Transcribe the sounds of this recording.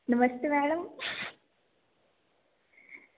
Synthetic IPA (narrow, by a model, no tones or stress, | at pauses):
nɨmɐst̪ɨʋeːɳɐm